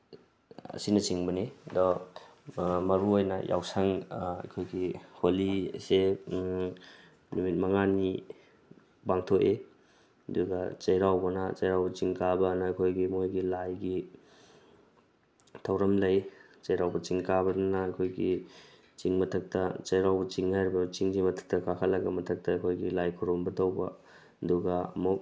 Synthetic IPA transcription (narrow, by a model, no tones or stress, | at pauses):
ɐ̰sinɐt͡ʃiŋbɐnidɔ | mɐɾuojnɐ̰jʔa̰wsaŋɐ̰jkʰojɡiholise | numit̚mɐŋani | baŋtʰoʔe | duɡɐt͡ʃɐjɾawbɐnɐt͡ʃɐjɾawbɐt͡ʃiŋkabɐnɐɐjkʰojɡimojɡilajɡi | tʰɐwɾɐmlɐjt͡ʃɐjɾawbɐt͡ʃiŋkabɐdɐnɐːjkʰojɡi | t͡ʃiŋmɐtʰɐk̚tɐt͡ʃɐjɾawbɐt͡ʃiŋhajɾibɐt͡ʃiŋd͡ʒimɐtʰɐ̥k̚tɐkʰakʰɐt̚lɐɡɐmɐtʰɐk̚tɐːkʰojɡilajkʰuɾmbɐtɐwbɐ | ɐduɡɐɐ̰muk̚